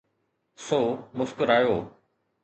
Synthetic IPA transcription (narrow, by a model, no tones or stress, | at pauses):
soːmʊskʊɾaːjoː